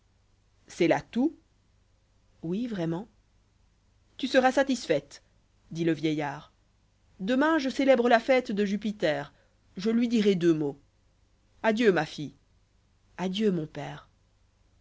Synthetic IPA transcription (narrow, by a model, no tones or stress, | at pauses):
sɛlat̪u | wivʁɛmɑ̃ | t̪ysəʁasat̪isfɛt̪ | d̪iləvjɛjaːʁ | d̪əmɛ̃ʒəselɛbʁəlafɛt̪d̪əʒyp̬it̪ɛːʁ | ʒəlɥid̪iʁɛd̪ømo | ad̪jømafi | ad̪jømɔ̃pɛːʁ